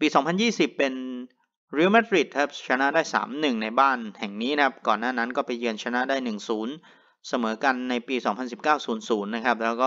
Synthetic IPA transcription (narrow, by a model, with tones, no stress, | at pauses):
piː˧sɔː˩˦ŋpʰa˧njiː˥˩si˨˩pːe˧n | ɾi˧˥˦ma˦˥t̪̚ɾi˨˩t̪̚kʰa˦˥p̚t͡ɕʰa˧na˦˥ʔdaː˥˩jsa̰ː˩˦mnɯ˨˩ŋna˧jbaː˥˩nhɛ˨˩ŋniː˦˥nʰa˦˥p̚kɔː˨˩nːaː˥˩na˦˥nkɔː˥˩pa˧jːɯ˧ənt͡ɕʰa˧na˦˥ʔdaː˥˩jnɯ˨˩ŋsuː˩˦n | sa˧mɤː˩˦ka˧nːa˧jpiː˧sɔː˩˦ŋpʰa˧nsi˨˩p̚kaː˥˩wsuː˩˦nsuː˩˦nːa˦˥kʰa˦˥p̚lɛː˦˥wkɔː˥˩